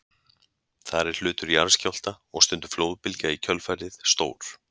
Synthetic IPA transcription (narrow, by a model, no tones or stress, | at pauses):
θaɾɛɾ̥l̥ʏːt̪ʏɾiaɾscawl̥t̪a | ɔɣst̪ʏnt̪ʏ̥floːwðpɪlcaicʰœlfaɾðɪðst̪o̰ːwɾ̥